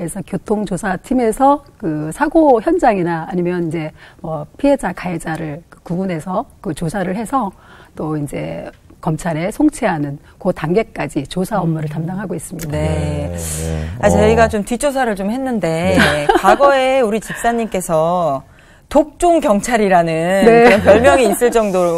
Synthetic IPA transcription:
esʰʌkjotʰoŋt͡ɕosʰatʰime̞sʰʌkɯsʰaɡoçjʌnd͡ʑaŋinaːɲimjʌnind͡ʑe̞mwʌpʰiɦe̞d͡ʑakaed͡ʑaɾɯɭkɯkubune̞sʰʌkɯt͡ɕosʰaɾɯɭhe̞sʰʌ | t͈oind͡ʑe̞̰kʌmt͡ɕʰaɾe̞sʰoŋt͡ɕʰeɦanɯn | kotaŋɡe̞k͈ad͡ʑit͡ɕosʰaʌmːuɾɯɭtamdaŋɦaɡois͈ɯmɲidae̞ | at͡ɕʌiɡat͡ɕomtɥit͡ɕʰos̬ʰaɾɯɭt͡ɕomhe̞nːɯnde̞kwaɡʌe̞uɾit͡ɕik̚s͈aɲːimk͈e̞sʰʌ | tok̚t͡ɕ͈uŋkjʌŋt͡ɕʰaɾiɾanɯnne̞ʌnpjʌɭmjʌŋiːs͈ɯɭt͡ɕ͈ʌŋdoɾ

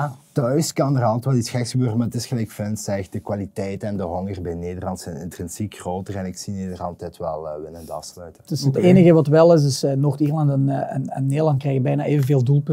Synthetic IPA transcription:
atœɥskɑnərɑlˠtʋɛldisxɛksəbøːrəmaətɪsxəlɛkfɪnsɛɣdəkwalitɛjtɛndəɦɔŋərbɛjneːdərlɑntsɛjnɪ̰ntrɪnsikxroːtərɛnɪksineːdərɑlˠtɛjtʋɛ̰lˠːʋɪnəndɑ̰fslœɥtəɪsəteːnəɣəʋɑtʋɛlˠɪs̬ɪsənoxtiːrlɑntɛnə̰nə̰nːeːdəlɑnt̚krɛjɣəbɛjnaːʔeːvənveːlˠdulˠp

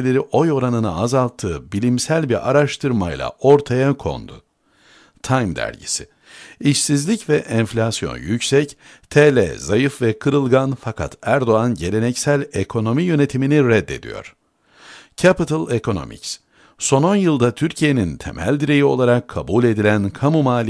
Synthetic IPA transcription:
lʲe̞ɾiʔo̞jo̞ɾanɯnaazalˠt̪ʰːɯːbilʲimsælʲbiɾʔaɾaʃt̪ʰɯɾmajlˠa̰ʔo̞ɾt̪ʰajakʰo̞̰nd̪ʊ | t̪ʰajmd̪æ̰ɾɟḭsi | iʃsizlʲicvɛʔɛnflʲasjo̞̰njycsɛc | t̪ʰelʲɛ̰zajɯfvɛkʰɯɾɯlˠɡanfakʰa̰t̪ʰæɾd̪o̞anɟe̞lʲe̞nɛcsælʲe̞kʰo̞no̞mijø̞ne̞t̪ʰiminiɾɛd̪ːe̞̰d̪ḭjo̞̰ɾ̥ | cʰapit̪ʰɯlˠekʰo̞no̞̰mʔḭcs | so̞no̞njɯlˠd̪at̪ʰyɾcʰije̞nint̪ʰḛmæ̰lʲd̪iɾe̞jio̞lˠaɾakʰːabulʲe̞d̪ilʲænkʰamumaːlʲ

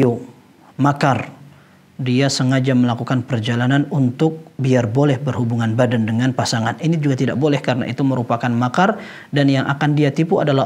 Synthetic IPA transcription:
u | makar | diasəŋad͡ʒaməlakukanpərd͡ʒalananunt̪ʊk̚biarbolɛhbərɦubuŋanbadandəŋanpasaŋaninid͡ʒuɡat̪ida̰ʔ̚bolɛhkaɾəna̰ʔit̪uməɾupakanmakar | danjaŋʔa̰kandiat̪ipua̰dala

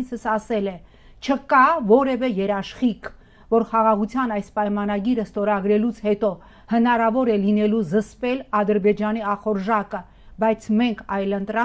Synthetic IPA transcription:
t͡sʰəsɑsɛlɛ | t͡ʃʰəkɑvɔɾɛvɛjɛɾɑʃχik | vɔɾχɑʁɑʁut͡sʰjɑnɑjspɑjmɑnɑɡiɾəst̪ɔɾɑɡɾɛlut͡sʰhɛt̪ɔ | hənɑɾɑvɔɾɛlinɛluzəspɛlɑd̪əɾbɛd͡ʒɑniɑχɔɾʒɑkə | bɑjt͡sʰmɛŋkʰɑjlənt̪ɾɑ

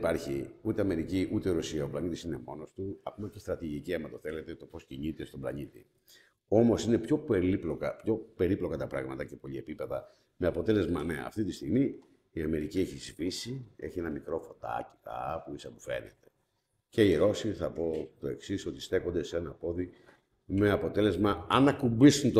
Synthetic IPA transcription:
pɐɾçiut̪eɐme̞ɾiciʔut̪e̞iɾosiɐoplɐnit̪isine̞mo̞no̞st̪uɐko̞mɐcest̪ɾɐt̪iʝiciɐmɐt̪oθe̞le̞t̪e̞t̪o̞po̞sciɲit̪e̞st̪oblɐ̰ɲit̪ḭ | o̞mo̞sinepço̞peliplo̞kɐpço̞pe̞ɾiplo̞kɐt̪ɐpɾɐɣmɐt̪ɐce̞po̞ʎie̞pipe̞ðɐ | meɐpo̞t̪e̞le̞zmɐneɐ̰ːft̪it̪ist̪iɣmiː | ɐme̞ɾicieçizvisie̞̰çienɐmikɾo̞fo̞t̪ɐ̰ci̥t̪ɐ̰ɐpuisɐpofe̞̰nḛt̪e̞̥ | ce̞iɾo̞siθɐpo̞t̪o̞eksiso̞t̪i̥st̪e̞ko̞nd̪e̞seenɐpo̞ði | me̞ɐpo̞t̪e̞le̞zmɐɐnɐkumbisunt̪

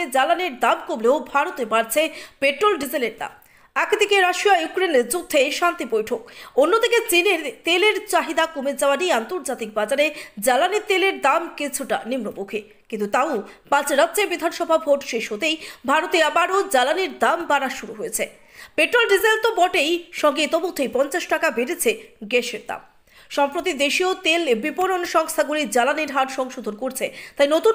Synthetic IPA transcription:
ed͡ʑalaneɾd̪amkomleobʱaɾot̪ebaɾt͡ɕʰepeʈɾolɖizeleɾd̪a̰m | ɛked̪ʱikeɾaʃiajukɾeneɾd͡ʑud̪ʱːeʃant̪ibojʈʰokonːod̪ʱiket͡ɕineɾt̪eleɾt͡ɕaɦid̪akomed͡ʑaoaniant̪oɾd͡ʑat̪ik̚bad͡ʑaɾed͡ʑalanit̪eleɾd̪amkit͡ɕʰuʈanimnobokʰi | kint̪ut̪aopãt͡ɕɾad̪d͡ʑeɾbid̪ʱanʃɔbʱabʱoʈʃeʃɦot̪ejbʱaɾot̪eabaɾod͡ʑalaniɾd̪ambaɾaʃuɾuɦojet͡ɕʰe | peʈɾolɖid͡ʑant̪obɔʈejʃɔŋɡet̪ɔbot̪ʰːejpɔnt͡ɕaʃʈakabeɾet͡ɕʰeɡeʃeɾd̪a̰m | ʃɔmpɾot̪id̪eʃiot̪elbipoɾonʃɔŋst̪ʰaɡuɾid͡ʑalaniɾɦaɾʃɔŋʃud̪ʱonkoɾt͡ɕʰet̪ajnot̪u

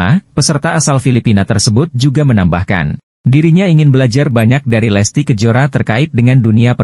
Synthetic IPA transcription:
apəsərt̪aːsalfilipinat̪ərsəbʊt̪̚d͡ʒuɡamənamba̰hka̰n | diɾiɲaiŋɪnbəlad͡ʒarbaɲak̚daɾilɛst̪ikəd͡ʒoɾat̪ərkaɪt̪̚dəŋanduniapə

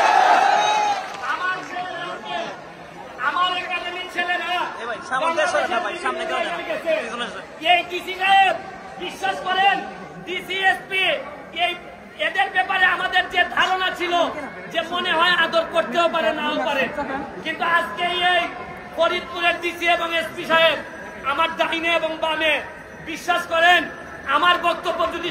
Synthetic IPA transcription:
amaɾkoaske | amaɾeɾkat͡ɕʰenint͡ɕʰeleneakɔŋɾeeʃaɾimkaaiɡet͡ɕʰe | ejʈisikae | biʃːaʃkɔɾen | ɖisiespi | ej | ed̪eɾbɛpaɾeamad̪eɾd̪ied̪ʱaɾonat͡ɕʰilo | d͡ʑemoneɦɔead̪oɾkoɾt̪eopaɾenapaɾekint̪uad͡ʑkejej | poɾit̪ːuɾeɾɖisieboŋespiʃaeɾ | amaɾd̪ajneeboŋbame | biʃːaʃkɔɾen | amaɾbɔk̚t̪obːod̪ʱot̪i

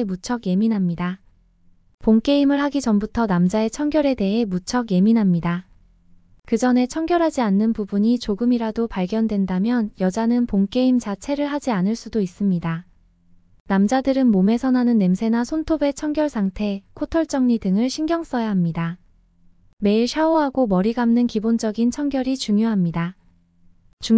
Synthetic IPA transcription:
mut͡ɕʰʌɡje̞minɦamɲida | poŋk͈e̞imɯɭɦaɡid͡ʑʌmbutʰʌnamd͡ʑae̞t͡ɕʰʌŋɡjʌɾe̞de̞ɦe̞mut͡ɕʰʌɡje̞minɦamɲida | kɯd͡ʑʌne̞t͡ɕʰʌŋɡjʌɾɦad͡ʑianːɯnpubuɲit͡ɕoɡɯmiɾadopaɭɡjʌndwe̞ndamjʌnjʌd͡ʑanɯnpoŋk͈e̞imt͡ɕat͡ɕʰe̞ɾɯɭɦad͡ʑianɯɭs͈udois͈ɯmɲida | namd͡ʑadɯɾɯnmome̞sʰʌnɦanɯnːe̞msʰe̞nasʰontʰobe̞t͡ɕʰʌŋɡjʌɭsʰaŋtʰe̞kʰotʰʌɭt͡ɕ͈ʌŋɲidɯŋɯɭɕʰiŋɡjʌŋs͈ʌjaɦamɲida | me̞iɭɕʰaoɦaɡomʌɾiɡamnɯnkibond͡ʑʌɡint͡ɕʰʌŋɡjʌɾit͡ɕuŋjoɦamɲida | t͡ɕu

